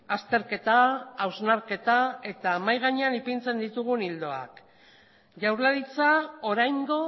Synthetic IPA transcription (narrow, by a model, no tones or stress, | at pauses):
ast̪e̞ɾke̞t̪aːwznaɾke̞t̪ae̞t̪amajɣ̞aɲeanipint͡se̞nd̪it̪uɣ̞unild̪o̞a̰k | ʝawɾlaɾit͡saoɾajŋɡo̞